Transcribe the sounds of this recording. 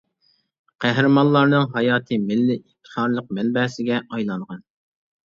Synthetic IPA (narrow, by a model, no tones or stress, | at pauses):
qʰæɦɾɨmɑnlˠːɑɾnɨŋɦɑjɑːt̪ʰɨmɪlːɪift̪ʰə̥χɑːɾlˠəq̚mɛnbɛːsɪɡʲɛʔɑjlˠɑŋʁɑn